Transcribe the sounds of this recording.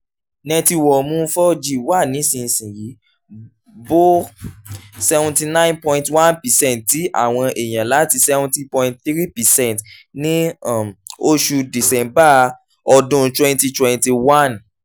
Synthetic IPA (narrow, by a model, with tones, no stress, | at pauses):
nɛ̃˧ti˧wɔ˨mũ˦fɔ˦d͡ʒi˦˨wa˦˨nĩ˨˦sĩ˧sĩ˨ɾi˨˦ | bo˦ | sɛ˧vũ˧nti˧nã˦ĩ˦npɔ̃˧ĩntwã˦npɛ˨sɛ̃˦ntti˨˦ʔa̰˦˨w̃ɔ̃˧ʔe˨j̃ã˨la˨˦ti˧sɛ˧vũ˧ti˦pɔ̃˧ĩ˦ntθi˦ɾi˦pɛ˨sɛ̃˦ntnĩ˦a˨mo˦ʃu˧di˨sɛ̃˧mba˦ | ɔ˧dũ˦˧twɛ̃˧nti˧twɛ̃˧nti˧wa˦˨n